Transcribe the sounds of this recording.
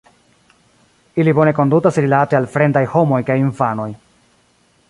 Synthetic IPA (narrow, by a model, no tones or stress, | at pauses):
ilibo̞ne̞ko̞ndutasɾilatealfɾe̞ndajho̞mo̞jkajinfano̞j